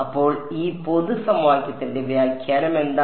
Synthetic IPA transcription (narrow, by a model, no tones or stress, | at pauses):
ɐpːo̞ːɭiːpo̞ðusɐmwaːkʲjɐt̪ːindeʋeaːlkʲʰjaːɾɐme̞nd̪a